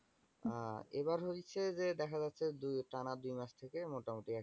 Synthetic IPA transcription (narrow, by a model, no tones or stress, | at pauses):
eβaɾɦot͡ɕʰed͡ʑed̪ɛkʰad͡ʑatːɕʰed̪uʈanad̪ujmaʃt̪ʰekemoʈamoʈia